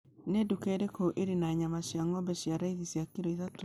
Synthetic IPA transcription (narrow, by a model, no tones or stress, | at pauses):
nedukeːɾekoʔeɾinaɲamaɕjaŋɔmbɛɕjaɾaiðisjakiɾoiðato